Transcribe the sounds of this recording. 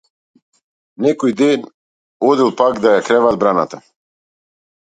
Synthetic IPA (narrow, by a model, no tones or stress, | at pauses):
nɛkojd̪en | od̪ilˠpakd̪ajakɾɛʋad̪̚bɾana̰t̪a